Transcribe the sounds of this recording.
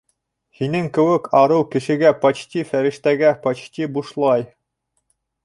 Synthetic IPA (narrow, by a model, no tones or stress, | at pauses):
hinɘŋkɘ̆wɘkʰɑɾɤwkɘ̆ʃɘ̆ɡæpɑt͡ɕt̪ʲifæɾɘ̆ʃt̪æɡæpɑt͡ɕt̪ibuʃlˠɑj